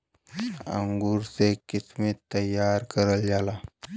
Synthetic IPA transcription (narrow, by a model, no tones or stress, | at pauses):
ə̰ŋɡuːɾsekɪsmit̪ːəjːaɾkəɾəld͡ʒala